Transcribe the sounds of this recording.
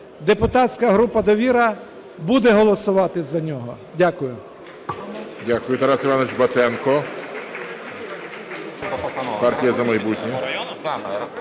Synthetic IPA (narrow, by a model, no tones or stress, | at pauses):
d̪epʊt̪ɑt̪ʲsʲkɐɦɾupɐd̪ɔʋʲiɾɐ | bud̪ɛɦɔlˠɔsʊʋɑt̪ɪzɐnʲɔɦɔ | dʲakʊjʊ | dʲakʊjʊt̪ɛɾasɪʋanɔʋɪt͡ʃbɐt̪ɛnkɔ | pɑrtʲijɐzɐmɐjbutʲnʲi